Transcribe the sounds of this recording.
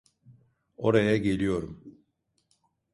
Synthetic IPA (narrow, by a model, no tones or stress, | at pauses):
o̞ɾajaɟe̞lʲijo̞ɾum